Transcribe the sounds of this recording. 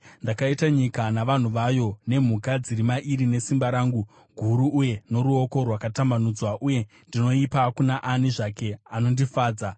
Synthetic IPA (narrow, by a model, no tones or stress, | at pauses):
ndakaitaɲikanaʋan̤uʋajo̞ne̞m̤ukad͡ziɾimaʔiɾine̞simbaɾaːŋɡu | ɡʱuɾuʔːje̞no̞ɾuo̞ko̞rwakatambanud͡zwaʔuje̞ | ndino̞ipakunaʔaniʐake̞ano̞ndifaːd͡za